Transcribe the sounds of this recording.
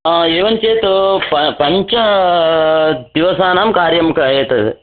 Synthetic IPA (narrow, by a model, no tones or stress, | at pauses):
eːʋɐnt͡ʃeːt̪upɐpɐɲt͡ʃɐ | d̪iʋɐsaːnaːmkaːɾjɐmkɐeːt̪ɐ